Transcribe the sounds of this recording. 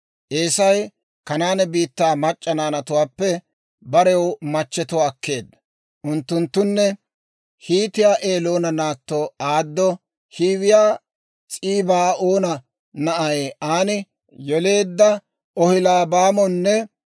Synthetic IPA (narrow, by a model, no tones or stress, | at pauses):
ʔeːsɐj | kɐnaːnɛbiːt̪ːaːmɐt͡ʃʼːɐnaːnɐt̪ʊwaːpːɛ | bɐɾɛwmɐt͡ʃːɛt̪ʊwaːkʰːe̞ːd̪ːɐ | ʔʊnt̪ːʊnt̪ːʊnːɛ | hiːt̪ɪjaːʔe̞ːloːnɐnaːt̪ːoaːd̪ːɔ | hiːwɪjaː | t͡sʼiːbaːoːnɐ | nɐʔɐjeʔaːnɪ | jɔle̞ːd̪ːɐ | ɔhɪlaːbaːmɔnːɛ